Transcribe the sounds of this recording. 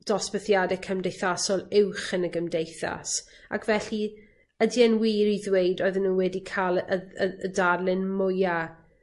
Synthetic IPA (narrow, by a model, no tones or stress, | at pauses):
d̥ɔsbəθjadɛkʰəmdejθasɔlˠɪwχənəɡəmdejθa̰s | a̰kʰvɛɬi | ədiɛnwiːɾiðwejdɔːɨðənːuːwɛdikʰalˠəəədarlɪnmʊja